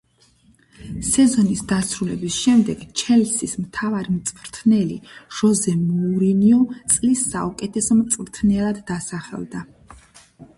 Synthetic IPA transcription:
sɛzɔnisd̪asɾulɛbisʃɛmd̪ɛɡ̥t͡ʃʰɛlsismt̪ʰavaɾimt̪sʼvɾt̪ʰnɛliʒ̥ɔzɛmuɾiniɔt̪sʼlisːaukʼɛt̪ʰɛsɔmt̪sʼɾt̪ʰnɛlˠad̪ːasaχɛ̰lˠd̪a

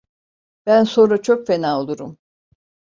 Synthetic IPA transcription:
b̥ænso̞nɾat͡ʃʰokfenaːolˠuɾum

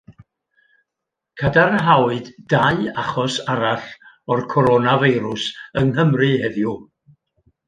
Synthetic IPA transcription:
kʰədarɦawɨdːaɨaχɔsaɾaɬ | ɔrkʰɔɾonaviɨɾʊsəŋɦəmrɨhɛðju

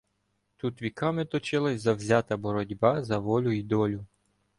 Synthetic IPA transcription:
t̪ut̪ʋʲikɑmɪt̪ɔt͡ʃɪlˠɪzɐwzʲɑt̪ɐbɔɾɔdʲbɑzɐʋɔlʲʊid̪ɔlʲʊ

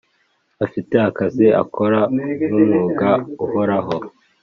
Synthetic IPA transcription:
afiteakaziʔa̰kʰoɾanumuːɡauhoɾaɦo

